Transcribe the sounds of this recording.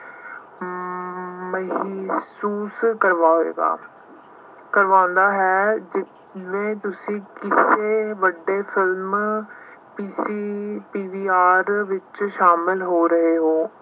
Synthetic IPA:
məɦsuːskəɾʋaːɦoḛːɡa̰ː | kəɾʋãːʊnd̪aːɦɛːd͡ʒɪt̪ | ʋẽːt̪ʊsĩːkɪseːʋəɖːeːpʰɪlm | piːsiːpiːʋiːaːɾʋɪt͡ʃʃaːmɪlɦoːɾəɦeːɦoː

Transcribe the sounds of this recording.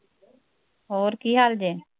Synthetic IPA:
ɦoːɾkiːɦaːld͡ʒeː

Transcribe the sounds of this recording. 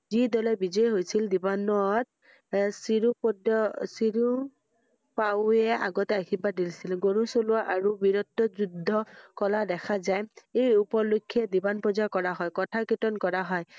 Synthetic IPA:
zidɔlɛbizɔjɦojsildibanɔt̚ | siupdsiɹu | paʊɛʔaɡɔtɛaɡibadilsilɡoɹusolʊaʔaɹubiɹɔtːɔzudʱːɔkɔladɛkʰazajejupɔlukʰːiɛdibanpɔzakɔɹaɦɔjkɔtʰakitɔnkɔɹaɦɔj

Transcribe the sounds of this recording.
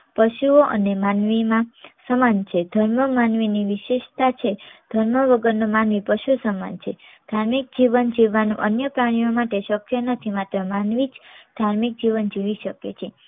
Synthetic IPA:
pəʃuoʔə̰nemanʋimãsəmant͡ʃʰed̪ʱəɾməmanʋiniʋiʃeʃt̪at͡ʃʰed̪̥ʱəɾməʋəɡəɾnomanʋipəʃusəma̰nt͡ʃʰed̪̥ʱaɾmik̚d͡ʒiʋənd͡ʒiʋːanṵ̃ʔənjəpɾaɽ̃ijomaʈeʃəkjənət̪ʰimat̪ɾəmanʋid͡ʒd̪̥ʱaɾmik̚d͡ʒiʋənd͡ʒiʋiʃəkḛt͡ʃʰe

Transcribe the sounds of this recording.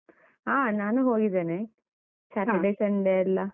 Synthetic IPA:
ɦaːnaːnuɦoːɡid̪eːne | kaːkuleːʃɐnɖ̪eɐlːɐ

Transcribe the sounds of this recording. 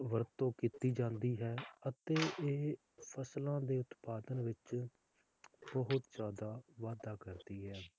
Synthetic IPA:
ʋəɾt̪ːõːkit̪iːd͡ʒãːnd̪iːɦɛːət̪eːʔeː | pʰəslãːd̪eːʊt̪paːd̪ənʋɪt͡ʃ | bəɦʊt̪d͡ʒaːd̪aːʋaːd̪aːkəɾd̪iːɦɛː

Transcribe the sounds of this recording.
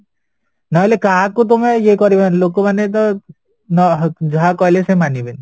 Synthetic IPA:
nɔlekaːkut̪̬ʊmɛjekɔɾibanloːɡ̚kobɐnet̪̬o | nɔɦd͡ʒɦakɔlesemaniben

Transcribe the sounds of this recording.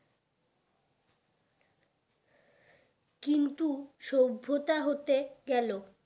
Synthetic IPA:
kint̪uʃobʱːot̪aɦot̪eɡɛlo

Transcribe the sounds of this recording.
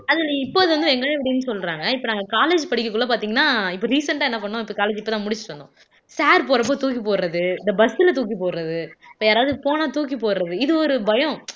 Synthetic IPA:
ɐðɪlɐɪpːoːɐðɯʋɐnd̪ɯɛŋɡɐnepːɐɽɪnːɯsɔlɾaːŋɡɐɪpːonaːŋɡɐkaːleːd͡ʒpɐɽɪkːɯkːʊɭːɐpaːɾt̪iːŋɡɐnːaːɪpːoːɾiːsɐɳʈaːɛnːɐpɐɳːʊ̃ɪpːoːkaːleːd͡ʒɪpːoːt̪ãːmʊɽɪt͡ʃːɯ̥ʈʋɐnd̪õ̰ | saːɾpoːɾɐp̬ːoːt̪uːk̬ːipoːɾɾɐðɯɪnd̪ɐbɐsɪlɐt̪uːk̬ːipoːɾɾɐðɯɪpːoːjaːɾaːʋɯðɯpoːnaːt̪uːk̬ːipoːɾɾɐðɯɪðɯɔɾɯbɐjɔ̃

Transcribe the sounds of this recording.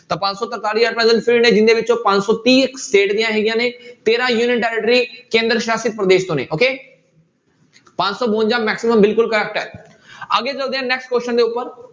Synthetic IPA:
t̪ɐpãːd͡ʑsɔt̪ɐɾt̪aːɾiaːʈpɾə̃d͡ʑənfɪɾinẽd͡ʑɪ̃nd̪eʋɪt͡ɕopãːd͡ʑsɔt̪iːseːʈd̪ijãɦeːɡijãːnẽt̪eːɾãjuːnjənʈɛːɾek̚ʈəɾikẽːnd̪ɾəʃjaːsit̪̚pɾɐd̪eːʃt̪oːnḛ̃ʔoːkeː | pãːd͡ʑsɔboə̃ɲd͡ʑãmɛːksiməmbɪlkʊlkɐɾɛːk̚ʈa̰ːe | ɐɠed͡ʑɐbd̪ijãnɛːksʈkoːʃənd̪eʊpəɾ

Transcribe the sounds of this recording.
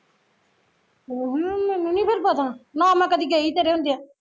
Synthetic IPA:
oɦmɛnũːnĩːpʰeɾpət̪ãːnãːmɛ̃ːkəd̪iːɡeiːt̪eːɾeːɦʊ̃nd̪eɛː

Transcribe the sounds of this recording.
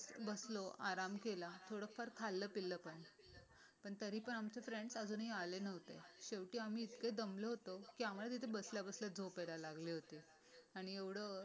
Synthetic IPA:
bəsloʔaɾamkelat̪ʰoɽəkfəɾkʰalːəːpilːəpəɳ | pəɳt̪əɾiːpəɳamt͡ɕefɾeɳɖsəd͡zuːnɦialenəʋ̤t̪eɕeʋʈiːam̤iːt̪ked̪əmləɦot̪okiamuɭat̪̬it̪ʰebəsljabəsləd͡zʱoped̪alaɡliːɦot̪iː | aɽ̃ieʋɽ̤ə

